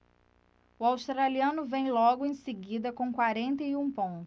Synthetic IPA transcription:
ʊawʃt̪ɾaliɐ̃nʊvẽj̃lɔɡʊẽj̃seɡid̪ɐkõw̃kwaɾẽnt̪ɐjũpõnt̪ʊ

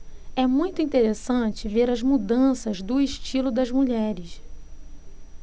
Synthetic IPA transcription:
ɛmũj̃t̪ʊĩnt̪eɾesɐ̃t͡ʃɪveɾɐzmud̪ɐ̃sɐzd̪ʊɪʃt͡ʃilʊd̪ɐzmuʎɛɾɪs

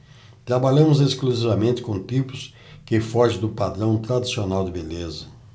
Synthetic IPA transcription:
t̪ɾabaʎɐ̃mʊzeskluzivamẽnt̪ɪ̥kõt̪ipʊs | kɪfɔʒɪ̃d̪ʊpad̪ɾɐ̃w̃t̪ɾad̪isionawd̪ɪbelezɐ

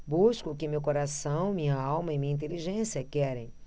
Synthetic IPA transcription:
buskʊkɪmewkoɾasɐ̃w̃mĩɲɐawmɐimĩɲɐĩnt̪eliʒẽsiɐkɛɾẽj̃

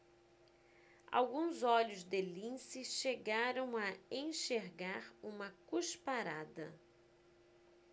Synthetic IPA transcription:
a̰wɡũzɔʎʊzd̪elĩsɪʃeɡaɾɐ̃w̃ɐẽʃeɾɡaɾũmɐkuʃpaɾad̪ɐ

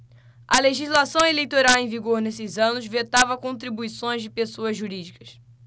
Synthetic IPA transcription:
ɐleʒizlasɐ̃w̃elejt̪oɾawẽj̃viɡoɾnesɪzɐ̃nʊzvet̪avɐkõnt̪ɾibuisõj̃zd͡ʒɪpesoɐzʒuɾid͡ʒikɐ̥s

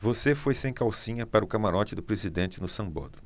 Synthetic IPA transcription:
vosefojsẽj̃kawsĩɲɐpaɾɐʊkamaɾɔt͡ʃɪd̪ʊpɾezid̪ẽnt͡ʃɪnʊsɐ̃bo̰d̪ɾʊ

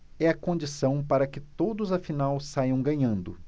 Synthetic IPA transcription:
ɛɐkõd͡ʒisɐ̃w̃paɾɐkɪt̪od̪ʊzɐfinawsajɐ̃w̃ɡɐ̃ɲɐ̃nd̪ʊ

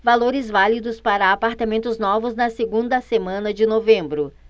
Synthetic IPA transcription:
valoɾɪzvalid̪ʊspaɾɐapaɾt̪amẽnt̪ʊznɔvʊznɐseɡũnd̪ɐsemɐ̃nɐd͡ʒɪnovẽmbɾʊ

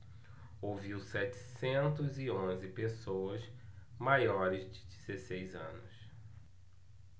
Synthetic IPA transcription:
oviwsɛt͡ʃɪ̥sẽnt̪ʊzɪõzɪpesowɐz | majɔɾɪzd͡ʒɪd͡ʒizesejzɐ̰̃nʊs

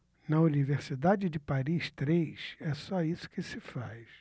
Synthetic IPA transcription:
nɐuniveɾsid̪ad͡ʒɪd͡ʒɪpaɾiʃt̪ɾejʃɛsɔisʊ̥kɪsɪfajs

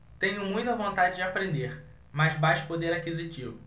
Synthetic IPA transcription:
t̪ẽɲʊmũj̃t̪ɐvõnt̪ad͡ʒɪd͡ʒɪapɾẽnd̪eɾ | maʃbajʃʊ̥pod̪eɾakizit͡ʃivʊ

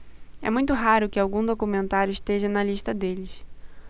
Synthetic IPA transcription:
ɛ̰mũj̃t̪ʊɦaɾʊkɪawɡũd̪okumẽnt̪aɾjʊɪʃt̪eʒɐnɐliʃt̪ɐd̪elɪs

